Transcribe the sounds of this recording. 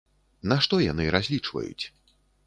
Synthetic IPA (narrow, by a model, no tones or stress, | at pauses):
naʂt̪ɔjanɨɾazʲlʲit͡ʂvɐ̰jṵt͡sʲ